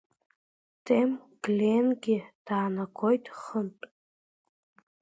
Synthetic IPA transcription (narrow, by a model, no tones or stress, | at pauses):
tʰʼemɡ̥lʲenɡʲɪd̥aːnakʷʰojtʼχəntʼ